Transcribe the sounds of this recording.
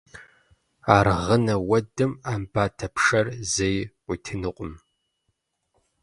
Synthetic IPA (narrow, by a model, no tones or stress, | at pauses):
aːrʁənɐwɐdɨmaːmbaːtʰɐpʰʂɐrzejʷ | itʰɨnɨqʷʼʊm